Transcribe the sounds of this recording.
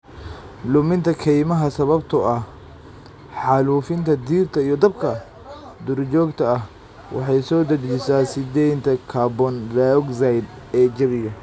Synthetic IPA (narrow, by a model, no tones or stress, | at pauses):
lʊmɪnt̪ʰɐkʰɛjmɐɦɐsɐβɐbt̪ʰʊɐh | ħɑluːfɪnt̪ʰɐd̪iːrt̪ʰɐijɔd̪ɐbkʰɐ | d̪ʊɾt͡ʃɔːɡt̪ʰɐɐh | wʔɑ̰ħɑjsɔːd̪ɐd͡ʒd͡ʒɪsaːsɪd̪ɛjnt̪ʰɐkʰaːbɔnlaɔɡzɐjd̪ɛːd͡ʒɐβɪɣɐ